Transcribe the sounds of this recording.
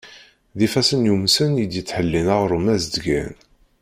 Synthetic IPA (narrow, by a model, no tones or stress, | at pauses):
ðifæsənjumsənjəd̪jət͡sːħəlːinəʁɾˤumæzd̪ɡæ̰n